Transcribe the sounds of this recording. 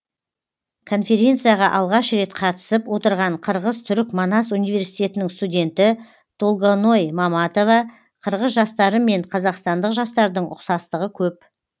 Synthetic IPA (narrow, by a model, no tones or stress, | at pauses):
kʰo̞nfe̞ɾʲe̞nt̪sɨjaʁɑʔɑlˠʁɑʃɾe̞t̪qʰɑt̪ə̥səpwo̞t̪əɾʁɑɴqʰəɾʁəzt̪ʰʏɾɪkmonɑsunijvʲe̞ɾsijt̪e̞t̪ɪnɪŋst̪udʲe̞nt̪ɪ | d̪̥olˠɡono̞jmɑmɑt̪o̞vɑ | qʰəɾʁəzʒɑst̪ɑɾəme̞ɴqʰɑzɑqst̪ɑnd̪əqʒɑst̪ɑɾd̪əɴʔʊ̰qsɑst̪əʁəkʲʰɵp̚